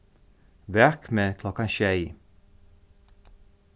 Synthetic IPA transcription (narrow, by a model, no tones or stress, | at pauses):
ʋæʁkmeːkʰlɔkɑnʃæɪ